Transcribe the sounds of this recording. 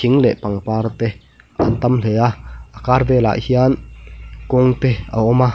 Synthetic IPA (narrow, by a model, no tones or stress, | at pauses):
iŋlɛʔpaŋpaːrt̪ɛ | ʔa̰nt̪amleaʔakarvɛːla̰ʔhiankɔŋt̪ɛa̰ɔma